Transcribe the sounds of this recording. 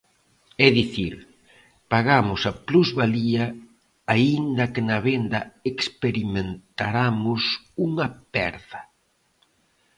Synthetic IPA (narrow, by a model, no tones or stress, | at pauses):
ɛðiθiɾ | paɣamʊsɐpluzβaliɐ | aind̪ɐkɪnɐβend̪ɐekspeɾimẽnt̪aɾamʊs | uŋɐpɛ̰ɾðɐ